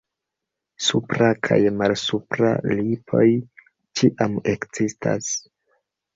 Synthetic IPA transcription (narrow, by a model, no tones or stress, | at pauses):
supɾakʰa̰jmalsupɾa̰lipʰo̞j | t͡ʃiʔame̞kz̥ista̰s